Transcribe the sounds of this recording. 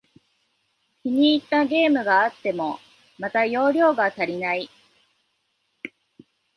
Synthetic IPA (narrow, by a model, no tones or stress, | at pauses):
kʲiɲ̟iːt̪ːaɡʲe̞ːmɯ̟ɡaːt̪ːe̞mo̞ | mat̪ajo̞ːɾʲjo̞ːɡat̪aɾʲinai